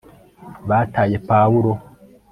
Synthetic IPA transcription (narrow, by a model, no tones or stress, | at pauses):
βaːtaːje̞pawuɾo